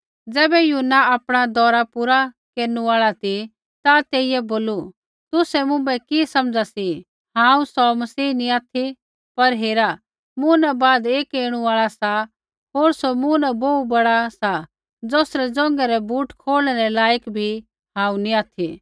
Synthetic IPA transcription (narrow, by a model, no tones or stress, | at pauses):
d͡zɛːbɛjuːnːaaːpɽ̃ad̪ɔːɾapuɾa | keːɾñuaːɭat̪ʰi | t̪at̪eːɪjɛboːlu | t̪ʊsɛmʊ̃bɛkisɐmd͡zasi | ɦãːũsɔmɐsiːniaːt̪ʰi | pɐɾɦeːɾa | mʊ̃nɛbaːd̪eːkeːɽ̃uaːɭasa | ɦoːɾsomũnɛboːubɐɽasa | d͡zoːsɾɛd͡zɔ̃ːŋɡɛɾɛbuːʈkʰoːɽñɛɾɛlaːjəkbʱi | ɦãːũniaːt̪ʰi